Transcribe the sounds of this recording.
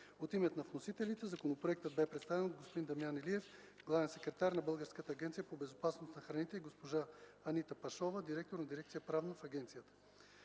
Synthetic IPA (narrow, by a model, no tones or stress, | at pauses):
ot̪imɛt̪nɐvnosit̪ɛlit̪ɛzɐkonopɾoɛk̚t̪əd̪bɛpɾɛt̪st̪avɛnod̪ɡospod̪ind̪ɐmijanɛliɛf | ɡlˠavɛnsɛkɾɛt̪aɾnɐbɤlˠɡəɾskət̪əːɡʲɛnt̪sijəpobɛzopasnosnɐxɾɐnit̪ɛiɡospoʒaɐnit̪əpɐʃɔvəd̪iɾɛk̚t̪oɾnɐd̪iɾɛk̚t̪sijəpɾavnəfɐɡʲɛnt̪sijət̪ə̥